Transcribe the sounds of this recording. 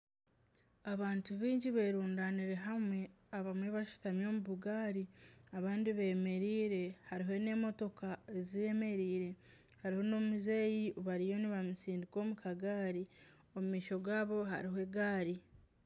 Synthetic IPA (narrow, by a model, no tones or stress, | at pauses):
aβaːntuβiːɲɟiβe̞ːɾuːndaːniɾe̞ɦamwe̞ | aβamwe̞βaʃi̥tamjo̞ːmuβuɡaːɾiaβaːndiβeːme̞ɾiːɾe̞haɾiɦo̞ne̞ːmo̞to̞kaezie̞me̞ɾiːɾe̞ | haɾiho̞no̞muzeːjioβaɾijo̞niβamusiːndiko̞ːmukʰaɡaːɾi | o̞mumiːʃo̞ɡwaːβo̞ɦa̰ɾiɦoe̞ɡaːɾi